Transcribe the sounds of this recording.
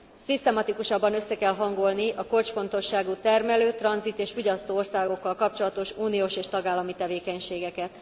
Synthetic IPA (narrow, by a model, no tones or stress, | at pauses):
sist̪ɛmɒt̪ikuʃɒbːɒnø̞sːɛkɛlɦɒŋɡo̞lniʔɒko̞lt͡ʃfo̞n̪t̪o̞ʃːaːɡut̪ɛrmɛløːt̪ːrɒnzit̪eːʃfoɟɒst̪oːorsaːɡo̞kːɒlkɒpt͡ʃo̞lɒt̪o̞ʃuːnijoːʃeːʃt̪ɒɡaːlːɒmit̪ɛveːkɛɲʃeːɡɛkɛt̪